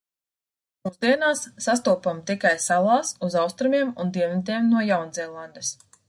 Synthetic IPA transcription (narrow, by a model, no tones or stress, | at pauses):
muzd̪iɛnaːsːast̪uɔpamt̪ikajsalˠaːsuzawst̪ɾumiɛmund̪iɛt̪̬iɛmnuɔjawnziɛlˠand̪es